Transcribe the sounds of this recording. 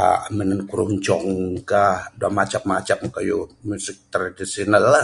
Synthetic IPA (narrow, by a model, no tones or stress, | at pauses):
a̰mənankuɾuɲt͡ʃɔŋkahduamat͡ʃap̚mat͡ʃapkajumusɪk̚t̪ɾadisionalːa